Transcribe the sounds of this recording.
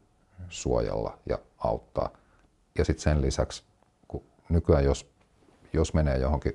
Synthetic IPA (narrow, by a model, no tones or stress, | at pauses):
suojɑ̰lːɑjɑ̰ɑut̪ːɑ̰ː | jɑsit̪senlisæks | ku | nykyæjjos | josmeneːjohoŋki